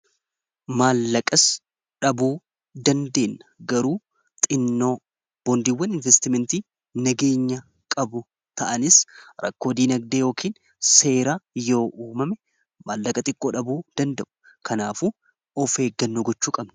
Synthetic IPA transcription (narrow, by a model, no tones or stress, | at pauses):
maːlːɐkʼɐs | ᶑɐbuː | d̪ɐnd̪e̞ːnːɐ̥ɡɐɾuː | tt̪ʼɪnːo̞ː | b̥ɔnd̪iːwːɐnɪnvɛst̪ɪmɛnt̪iː | nɐɡe̞ːɲːɐ | kʼɐbʊ | t̪ʰɐʔɐnɪsɾɐ̰kːo̞ːd̪iːnɐɡ̚d̪eːjo̞ːkiːn | se̞ːɾajo̞ːʔuːmɐmɛ | maːlːɐkʼɐt̪ʼɪkʼːoːᶑɐbuːd̪̥ɐnd̪ɐʔʊ̥ | kʰɐnaːfuː | ɔfhe̞ːɡːɐnːoːɡɔt͡ʃːuːkʼɐbnʊ̥